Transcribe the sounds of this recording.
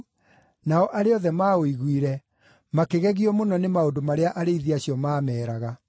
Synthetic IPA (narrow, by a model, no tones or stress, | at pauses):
naɔʔaɾeɔðɛmaːoiɣwiɾɛ | makeɣɛɣiɔmonɔnemaodomaɾeaʔaɾeiðiaɕiɔmaːmɛːɾaɣa